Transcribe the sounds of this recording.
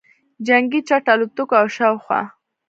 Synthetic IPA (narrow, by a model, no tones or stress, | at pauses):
d͡ʒaŋɡit͡ʃaʈalut̪ukoawʃawxwɑ̰